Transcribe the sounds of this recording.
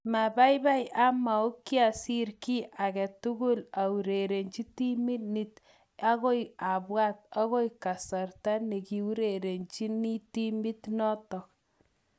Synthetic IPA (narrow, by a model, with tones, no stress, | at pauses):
ma˨ba˦jba˦ja˦ma˨o˦kːja˨si˦ɾki˦ʔa˨kɛ˨tu˦ɡu˦la˨u˨ɾe˨ɾe˨nt͡ʃi˦ti˦mi˦ni˨t | a˦ko˦ja˨bwa˦ta˦ɣo˦jka˨sa˨rta˦ne˨ki˨u˦ɾe˨ɾe˨nt͡ʃi˦ni˦ti˦mi˦tnɔ˦tɔ˨k̚